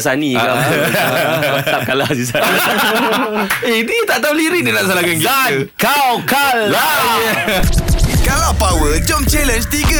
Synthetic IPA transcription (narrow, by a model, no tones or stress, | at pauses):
sania | aap̚kalasis̬a | einit̪aʔt̪auliɾidinãnsalakankiakawkalla | kalapawəld͡ʒɔmt͡ʃɛlɛnt͡ʃt̪iɡə